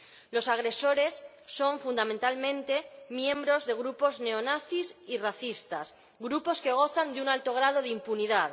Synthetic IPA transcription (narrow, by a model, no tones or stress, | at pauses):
lo̞saɣ̞ɾe̞so̞ɾe̞sː | o̞ɱfund̪amẽnt̪almẽnt̪e̞mjẽ̞mbɾo̞zðe̞ɣ̞ɾupo̞zne̞onaθisiraθist̪as | ɣɾupo̞ske̞ɣ̞o̞θand̪unalt̪o̞ɣ̞ɾað̞o̞ðimpuniðað